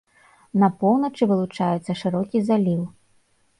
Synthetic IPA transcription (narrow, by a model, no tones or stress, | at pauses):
nɐpɔwnɐt͡ʂɨvɨlˠut͡ʂajɛt̪sːɐʂɨɾɔkʲizalʲiw